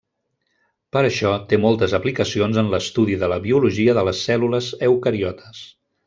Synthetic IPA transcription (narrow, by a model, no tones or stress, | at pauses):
pəɾəʃɔt̪emɔlˠt̪əzəplikəsionzənləst̪uðiðələβiuluʒiəðələsːɛluləzəwkəɾiɔt̪ʰə̥s